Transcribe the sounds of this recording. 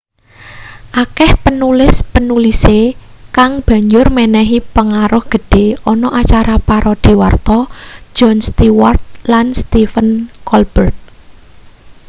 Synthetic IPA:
ʔakɛhpənulɪspənulisekaŋb̥a̤ɲd͡ʒʊrmɛnɛɦipəŋaɾʊhɡ̥ə̤ɖ̥e̤ɔnɔʔat͡ʃaɾapaɾɔd̪̥i̤wart̪ɔ̥d͡ʒ̥ɔnst̪iwart̪̚lanst̪ifənkɔlb̥ərt̪̚

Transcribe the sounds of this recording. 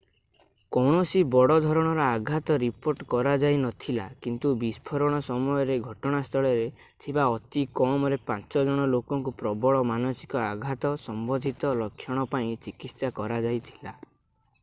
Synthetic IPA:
kɔwɳ̃ɔsibɔɽɔd̪ʱɔɾɔɽ̃ɔɾɔaɡʱat̪ɔɾipoɾʈkɔɾad͡ʒajnɔt̪ʰila̰kint̪ubispʰɔɾɔɽ̃ɔsɔmɔjɔɾeɡʱɔʈɔɽ̃ast̪ʰɔɭɔɾe | t̪ʰibaɔt̪ikɔmɔɾepãnt͡ʃɔd͡ʒɔɽ̃ɔlokɔŋkupɾɔbɔɭɔmanɔsi̥kɔaɡʱat̪ɔsɔmbɔd̪ʱit̪ɔlɔkʰːjɔɽ̃ɔpaĩt͡ʃikit̪sakɔɾad͡ʒajt̪ʰi̥la

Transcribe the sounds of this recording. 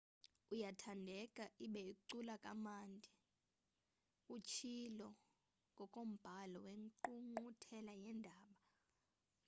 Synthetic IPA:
ujatʰandʱɛkʼaʔiɓɛikuǀulakʼamaːndʱi | ut͡ʃʰilɔ | ŋɡʱɔkʼom̩b̥ʱalɔweŋǃuŋ͡ǃutʰɛlajɛndʱaːɓa

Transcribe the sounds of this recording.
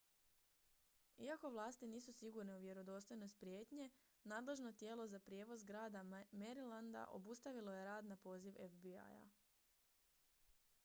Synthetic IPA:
iako̞ʋlˠaːst̪iniːsusiɡuɾneuʋje̞ɾo̞d̪o̞st̪o̞jno̞sʲt̪̚pɾje̞ːt̪ɲe̞ | naːd̪le̞ʒno̞t̪je̞ːlo̞zapɾjeʋozɡɾaːd̪ame̞ɾiland̪a̰ʔo̞̰bust̪aʋilo̞je̞ɾaːd̪napo̞ːziʋefbia̰ja̰

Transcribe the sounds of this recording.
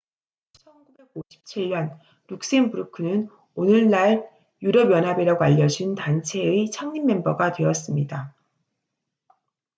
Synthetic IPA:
t͡ɕʰʌnɡube̞ɡoɕʰi̥p̚t͡ɕʰiɭɲʌn | ɾuk̚s͈enbɯuɾukʰɯnɯn | onɯɭnaɭ | juɾʌbjʌnɦabeɾaɡoaʎːʌd͡ʑintant͡ɕʰe̞it͡ɕʰaŋɲimːe̞mbʌɡadwe̞ʌs͈ɯmɲida

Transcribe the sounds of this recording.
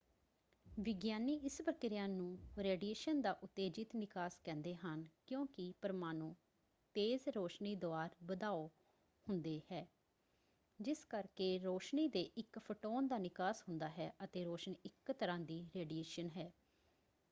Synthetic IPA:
ʋɪɡjaːniːɪsbəkɾjãːnũːɾɛːɖijeːʃənd̪aːʔʊt̪ːeːd͡ʒɪt̪nɪkaːskɛ̃ːnd̪eːɦənkjõːkɪpəɾmaːnũː | t̪eːzɾoːʃniːd̪oaːɾbəd̪aːoː | hʊnd̪eːhɛː | d͡ʒɪskəɾkeːɾoːʃniːd̪eːʔɪkpʰəʈoːnd̪aːnɪkaːsɦʊnd̪aːɦɛːʔət̪eːɾoːʃəniɪkt̪əɾãːd̪iːɾɛːɖieːʃənɦɛː

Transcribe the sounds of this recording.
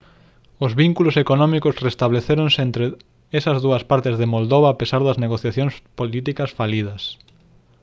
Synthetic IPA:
ozβiŋkulʊsekonɔ̃mikʊsrest̪aβleθeɾonsent̪ɾe | esɐzðuɐspaɾt̪ɪzðemold̪oβaːpesaɾðɐzneɣoθjaθjõŋspolit̪ikɐsfalið̞ɐs

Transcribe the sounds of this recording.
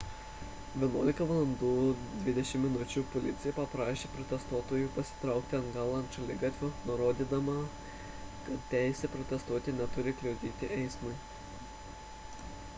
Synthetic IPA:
ʋʲiɛnuɔlʲɪkɐʋɐlˠɐnd̪uːd̪ʲʋʲɪd̪ʲɛʃʲɪmːʲɪnʊt͡ʃʲuːpɔlʲɪt̪sʲɪjɛpɐpɾɑːʃʲeːpɾɔt̪ʲɛst̪uɔt̪oːjuːpɐsʲɪ̥t̪ɾɑˑʊk̚t̪ʲɪɐŋɡɑːlˠɐnt̪ʃɐlʲɪɡɑt̪ʲʋʲʊnʊɾoːd̪ʲiːd̪ɐmɐ | kɐt̪t̪ʲæˑɪsʲɛpɾɔt̪ʲɛst̪uɔt̪ʲɪnʲɛt̪ʊɾʲɪklʲɛʊd̪ʲiːt̪ʲɪʔɛɪsmɐɪ

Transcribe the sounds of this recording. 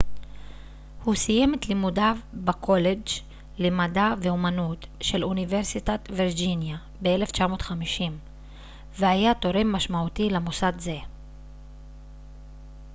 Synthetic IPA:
husije̞met̪limudavbakʰo̞le̞d͡ʒ | lemadave̞umanut̪ʃe̞luniveʁsitat̪viʁd͡ʒinja | beele̞ft͡ʃamo̞ːt̪χamiʃim | veajato̞ɾemːaʃmaut̪ilemusadze̞

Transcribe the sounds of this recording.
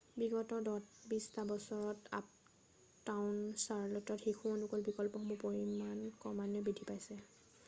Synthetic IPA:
biɡɔtɔɹdɔtbistabɔsɔɹɔta̰p̚ | tawʊnsaɹlɔtɔtxexʰuɔnukɔlbikɔlpɔxɔmbɔpɔɹimankɔmanɔbidʱipajsɛ

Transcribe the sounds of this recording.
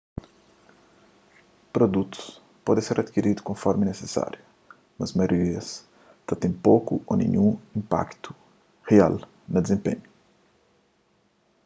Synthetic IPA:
pɾod̪ut̪u̥s | pɔd̪ẽseɾɐd̪kiɾid̪u̥kõfɔɾminesesa̰ɾju | mɐzmɐjoɾiɐs | t̪ɐt̪ẽj̃pokuonḛ̃ɲũĩmpa̰kt̪u̥ | hea̰l | nɐd̪ezẽmpḛ̃ɲu

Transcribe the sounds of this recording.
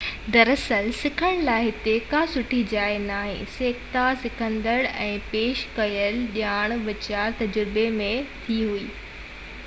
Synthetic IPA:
d̪ɐɾəsəlsɪkʰəɽ̃laːɪɦɪt̪ekasʊʈʰid͡ʑaːenaːɦḛ̃seːkt̪asɪkʰə̃nd̪əɽɛ̃ːpeːʃkɐjəlɗjaːɽ̃ʋɪt͡ɕaːt̪ɐd͡ʑɾɪbemẽt̪ʰiɦuiː

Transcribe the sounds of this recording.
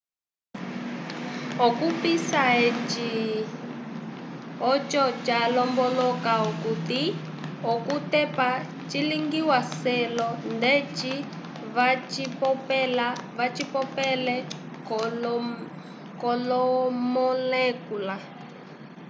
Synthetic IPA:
ɔkupisaet͡ʃi | ɔt͡ʃɔt͡ʃalɔmbɔlɔkaukuti | ɔkutɛpa | t͡ʃiliŋɡiwasɛlɔndɛt͡ʃi | vat͡ʃipɔpɛlavat͡ʃipɔpɛlɛ | kɔlɔmɔlɛkula

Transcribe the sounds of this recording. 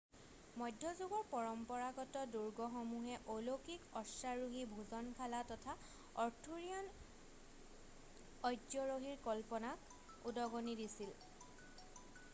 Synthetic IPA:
mɔjdʱjɔzuɡɔɹpɔɹɔmpɔɹaɡɔtɔduɹɡɔxɔmuɦɛʔolokikɔsaɹuɦibʱuzɔnkʰalatɔtʰa | ɔɹtʰuɹiɔn | ɔjdɔɹoɦiɹkɔlpɔnak | udɔɡonidisil

